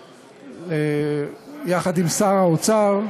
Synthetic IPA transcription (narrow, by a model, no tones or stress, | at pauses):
e | jaχad̪imsaʁaot͡saʁ